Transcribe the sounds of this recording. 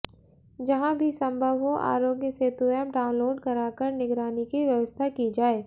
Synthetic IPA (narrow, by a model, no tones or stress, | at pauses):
d͡ʒɐɦãbʱisɐ̃mbʱəʋɦoʔa̰ːɾoːɡjəset̪uəmɖaːʊ̃nloːɾɖkɐɾaːkəɾnɪɡɾaːnikiʋjɐʋəst̪ʰakid͡ʒaːeː